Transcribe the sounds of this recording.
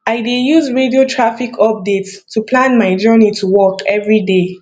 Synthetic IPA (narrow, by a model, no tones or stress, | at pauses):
aɪdejuzɹediotʰɹafikʰɔp̚dettʰːupʰlãnmaɪd͡ʒɜnitʰuwɔkɛvɹide